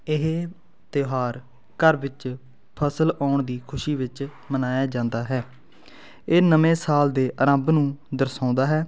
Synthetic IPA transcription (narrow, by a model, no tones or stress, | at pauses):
ɪɦeː | t̪ɪɦaːɾ | kəɾʋɪt͡ʃ | pʰəsəlaːɳd̪iːkʰʊʃiːʋɪt͡ʃ | mənaːjaːd͡ʒãːnd̪aːɦɛː | eːnəmẽːsaːld̪eːʔəɾə̃mbnũːd̪əɾsãːnd̪aːɦɛː